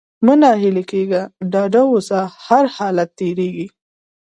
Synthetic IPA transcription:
mənɑɦɪlekeɡaɖɑɖawʊsahaɾhɑlat̪ːeɾeɡi

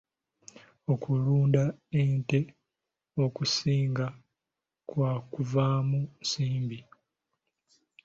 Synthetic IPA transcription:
o̞kʰuluːndaente̞ | okusiːŋɡa | kwakuvaːmunsiːmbi

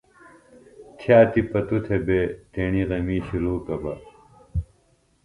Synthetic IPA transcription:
t̪ʰjaːt̪ipɐt̪ut̪ʰebet̪eniʁɐmiːɕiɾuːkɐbɐ̰

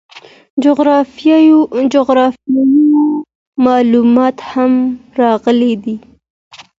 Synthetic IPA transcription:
ɣɾ | d͡ʒoɣɾɑfjɑji | mɑlumɑt̪hamɾɑɣəled̪i

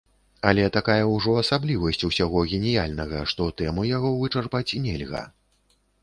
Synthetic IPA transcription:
ɐlʲɛt̪akajɐwʐɔɐsablʲivɐsʲt͡sʲusʲaɣɔɣʲɛnʲijalʲnɐɣɐ̰ʂt̪ɔt̪ɛmujaɣɔvɨt͡ʂarpat͡sʲinʲɛlʲɣɐ̰

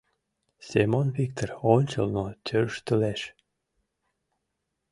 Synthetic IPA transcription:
semonvik̚t̪oronʲt͡ɕə̰lnot̪ʲʰørʃt̪əleʃ

